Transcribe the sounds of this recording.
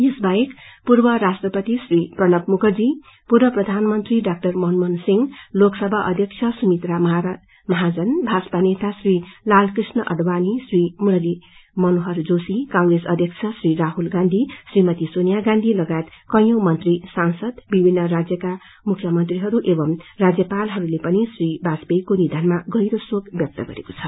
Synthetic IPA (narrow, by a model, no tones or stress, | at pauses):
jesbajekpurbʌɾasʈrʌpʌt̪isriprʌnʌpmuɡʌd͡zi | purbʌprʌd̪ʱanmʌnt̪riɖak̚ʈʌrmʌnmʌnsiŋloksʌbʱaʔʌ̰d̪ʱjʌk̚t͡ʃʰjʌsumit̪ramɦ | mʌɦad͡zʌnbʱaspanet̪asrilalkrisnʌʔʌ̰ɖbanisrimuɾʌlimʌnoɦʌrd͡zosikãŋɡresʌd̪ʱjʌk̚t͡sʰʌsriɾaɦulɡand̪ʱisrimʌt̪isonijaɡãnd̪ʱilʌɡaet̪kʌjjʌwmʌnt̪risansʌd̪bibʱinːʌɾad͡zjʌka | mukʰjʌmʌnt̪riɦʌɾuʔebʌmrad͡zjʌpalɦʌɾulepʌnisribasbejkonid̪ʱanmaɡʌjɾosoɡbjʌk̚t̪ʌɡʌ̰ɾeko̥t͡sʰʌ